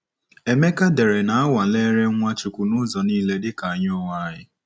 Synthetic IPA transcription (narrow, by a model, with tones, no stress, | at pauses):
e˨me˦ka˦de˨ɾe˨na˨a˦wa˨le˦ɾe˦ŋʷa˦t͡ʃu˨kʷu˨nʊ˦zɔ˨niː˦le˦dɪ˦ka˨a˨ɲʊ˦wa˦ɲɪ˦